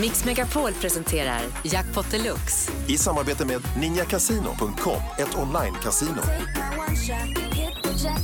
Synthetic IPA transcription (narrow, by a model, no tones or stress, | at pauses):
mɪksmɛɡapʰoːlpʰɾɛsɛnt̪ʰeːɾa̰ɾ | jak̚pʰɔt̪ːəlɵks | ɪsamːaɾbeːt̪əmeːd̪nɪnjakʰasiːnʊ̰pʰɵŋkt̪̚kʰɔ̰mːɛt̪ʰɔnlajnkʰasiːnʊ̰